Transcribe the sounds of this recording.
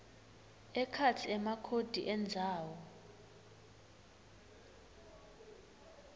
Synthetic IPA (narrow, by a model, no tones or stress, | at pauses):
ɛkʰat͡sʰiɛmakʰod̥ʱiʔɛnd͡zʱaːwɔ